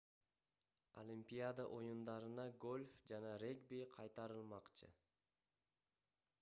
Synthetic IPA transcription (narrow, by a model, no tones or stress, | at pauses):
olʲimpʲijad̪aʔo̞jund̪ɑɾɯnɑɡo̞lʲfd͡ʒɑnɑɾʲeɡbiqʰɑjt̪ɑɾɯlˠmɑqt͡ʃɯ̰